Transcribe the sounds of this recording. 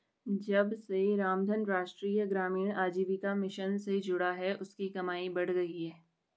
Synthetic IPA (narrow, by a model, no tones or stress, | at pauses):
d͡ʒɐbseɾaːmd̪ʱənɾaːʃʈɾiːjəɡɾaːmiːɽ̃aːd͡ʒiːʋɪkamɪʃənsed͡ʒʊɽaɦɛʔʊskikɐmaːibɐɽ̤ɡɐɦiɦɛː